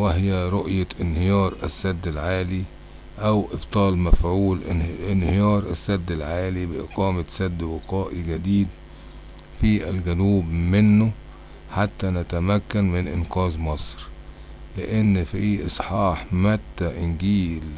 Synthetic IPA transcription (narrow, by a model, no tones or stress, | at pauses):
wæɦjæɾˤoʔjaʔɪnhɪjɑːɾˤʔæsːæd̪ːɪlʕaːli | ʔæwʔɪbt̪ˤɑːlmæfʕuːlɪnhɪjɑːɾˤʔæsːæd̪ːɪlʕaːlibɪʔɪqɑːmæsæd̪ːwɪqɑːʔiɡæd̪iːd̪ | fiʔælɡænuːbmɪnːʊ | ħat̪ːænæt̪æmækːænmɪnʔɪnqɑːzmɑsˤɾ | lɪʔenːfiʔɨsˤħɑːħmæt̪ːæʔɪnɡiːl